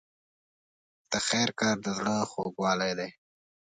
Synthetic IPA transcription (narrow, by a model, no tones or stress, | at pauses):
d̪̥əxɛːɾkɑɾd̪əzɽəxo̰ɡwɑːlajd̪aj